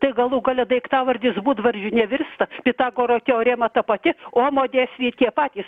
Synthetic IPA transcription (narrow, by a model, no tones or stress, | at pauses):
t̪ɐɪɡɐlˠuːɡolʲɛd̪ɐɪkt̪ɑːʋɐrʲd̪ʲɪsbuːt̪ʋɐɾʲʒʲʊnʲɛʋʲɪrst̪ɐpʲɪt̪ɑːɡoːɾoːkʲɛoːɾʲeːmɐt̪ɐpɐt̪ʲɪoːmoːd̪ʲeːsʲʋʲiːt̪ʲiɛpɑːt̪ʲiːs